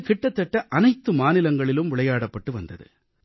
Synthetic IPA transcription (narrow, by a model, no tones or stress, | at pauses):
kɪʈːɐt̪ːɛʈːɐʔɐnɐɪt̪ːɯmaːnɪlɐŋɡɐɭɪlɯmʋɪɭɐjaːɽɐpːɐʈːɯʋɐnd̪ɐðɯ̰